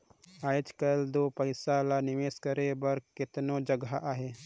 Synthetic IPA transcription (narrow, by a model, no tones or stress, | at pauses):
aːd͡ʒkəld̪oːpəɪsalanɪʋeːskəɾebəɾkɪt̪nod͡ʒəɡaʔaɦe